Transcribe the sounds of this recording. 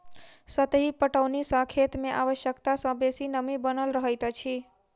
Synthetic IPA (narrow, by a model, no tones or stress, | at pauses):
sət̪ɦipəʈəwnisə̃kʰet̪meʔaʋəʃjəkt̪asə̃besinəmibənəlɾəɦəjt̪t͡ʃʰi